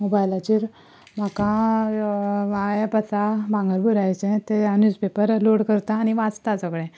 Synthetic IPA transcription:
mobajlat͡ɕiːɾ | m̤akã | ajepəsabãŋɡəɾbuɾajt͡sɛ̃t̪eanuspepəɾloɽkəɾt̪aːñiʋãt͡st̪at͡sɔkɽẽ

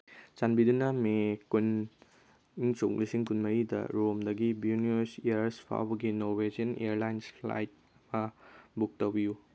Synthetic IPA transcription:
t͡ʃanbidunɐmekun | iŋsoklisiŋkunmɐjidɐ̰ɾomdɐɡibjuniesiaɾɾspʰa̰wbɐɡinowed͡ʒɐnḛjaɾlajnspla̰jt̚ | mɐbuk̚tɐwbiju

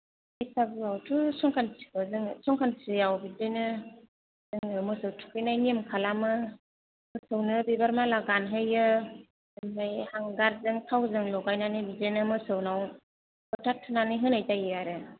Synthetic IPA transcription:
bisʰabɯawtʰusɔŋkʰansi̥kɯzɯŋsɔŋkʰansɯjawbidɯjnɯ | z̥ɯŋɯmɯsɯwtʰu̥kʰɯjnajniemkʰalamɯ | mɯsɯwnɯbibaɾmalaɡanɦɯjɯ | ɯmbajhaŋɡaɾzɯŋtʰawzɯŋlɔɡajnanibizɯnɯmɯsɯwnaw | bɯtʰatʰːɯnaniɦɯnajtajɯaɾɯ

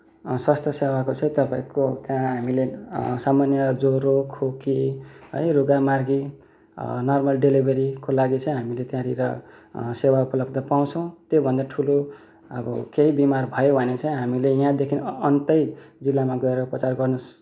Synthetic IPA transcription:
swast̪ʰʌsewakot͡sʰaĩt̪ʌpãĩkot̪jãɦamilesamanjʌd͡zoɾokʰokiɦʌ̰jɾuɡamarɡḭ | nʌrmʌlɖelibʱeɾikolaɡit͡sʰaĩɦamilet̪jãɾiɾʌ̰ | sewaupʌlʌb̚d̪ʌpaw̃t͡sʰʌ̃w̃t̪jobʱʌnd̪aʈʰulo | ʌ̰bʌ̰keɦibimarbʱʌjobʱʌnet͡saĩɦamilejãd̪ekʰinʌnt̪ʌjd͡zilːamaɡʌeɾʌupʌt͡sarɡʌrnus

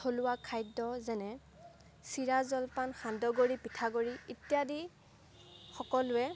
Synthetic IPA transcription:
tʰolʊwakʰajdɔzɛnɛ | siɹazɔlpanxandɔɡoɹipitʰaɡoɹiitijadi | xɔkɔlʊɛ

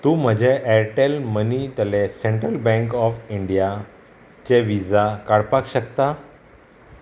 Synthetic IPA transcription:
t̪uːm̤əd͡ʑʱeʔɛɾʈelmənit̪əlesẽɳʈɾəlbɛ̃ŋkɔfiɳɖija | t͡ɕeʋid͡zakaɽpakɕəkt̪a

